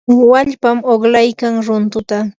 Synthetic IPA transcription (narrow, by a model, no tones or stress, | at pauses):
waʎpamoχlajkaŋɾʊnt̪ʊt̪a